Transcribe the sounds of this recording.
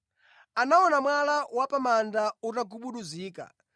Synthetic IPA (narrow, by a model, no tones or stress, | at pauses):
anaɔnamwalawapamandautaɡuɓuɗuziːka̰